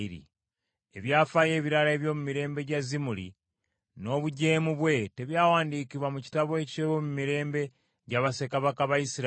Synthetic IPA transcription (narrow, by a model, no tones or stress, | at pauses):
iɾḭ | eβjaːfaje̞ːβiɾaɾae̞βjo̞ːmumiɾeːmbe̞ɟazimulḭ | no̞βuɟe̞ːmuβwe̞te̞βjaːwaːndiːkiβwamuci̥taβoe̞ceβomumiɾe̞ːmbe̞ | ɟaβase̞kaβakaβaisiɾ